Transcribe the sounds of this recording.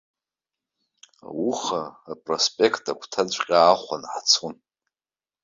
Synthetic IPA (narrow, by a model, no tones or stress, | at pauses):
wuχaːpʼrospʼe̞kʰtʼakʷʰtʰad͡zʷʼqʲʼaːχʷanħt͡sʰun